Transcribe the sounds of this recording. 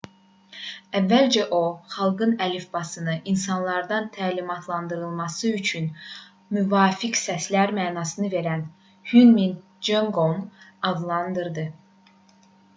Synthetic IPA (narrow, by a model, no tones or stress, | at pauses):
ævːæld͡ʒæʔo̞χɑlˠɡɯnælifbɑsɯnɯʔinsɑnlˠɑɾd̪ɑnt̪ʰæːlimɑt̪ʰlˠɑnd̪ɯɾɯlˠmɑsɯyt͡ʃʰyn | myvɑːfiksæslæɾmæːnɑːsɯnɯve̞ɾæn | hynmin | d͡ʒoŋɡoŋɑd̪lˠɑnd̪ɯɾd̪ɯ